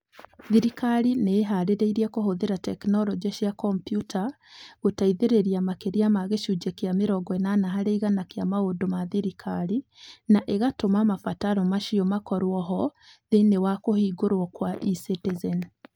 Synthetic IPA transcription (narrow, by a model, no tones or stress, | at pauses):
ðiɾikaɾineːɦaɾeɾeiɾiakoɦoðeɾatɛknɔlɔd͡ʒeʃjakɔmpjutʰa | ɣotaiðeɾeɾiamakeɾiamaɣeʃud͡ʒekeameɾɔɡɔɛnanaɦaɾeiɣanakeamaodomaðiɾikʰaɾinaʔeɣatomamafataɾɔmaʃiɔmakɔɾwɔɦɔðenewakohiːɡoɾwɔkwaʔisetezɛn